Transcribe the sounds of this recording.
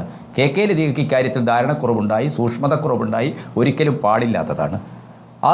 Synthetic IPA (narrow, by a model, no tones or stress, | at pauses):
ɨ | ke̞ːkːejled̪iːɣɐkʲːikʲːaːɾjɐt̪ːild̪ʱaːɾɐɳɐkːurɐʋuɳɖaːjisuːkʂmɐðɐkːurɐʋuɳɖaːjio̞ɾukʲːɐlumpaːɽilːa̰ːt̪ːɐða̰ːɳɨ | ɐ̰